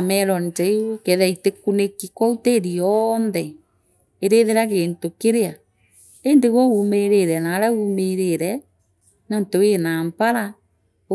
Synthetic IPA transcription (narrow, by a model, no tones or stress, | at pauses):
mɛɾɔntɛiokɛðaitekunekikwɔuteɾiɔnðɛ | eɾeðeɾaɣeːntokeɾea | endeɣoumeɾeɾɛnaɾaɣumeɾeɾɛ | nantoenaːmpaɾa